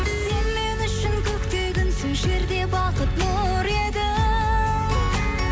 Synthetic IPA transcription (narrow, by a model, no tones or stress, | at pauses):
se̞nme̞nʏʃɪnkʲʰɵkt̪eɡʲɪnsɪʒe̞ɾd̪e̞bɑqət̪no | ɾe̞d̪ɪ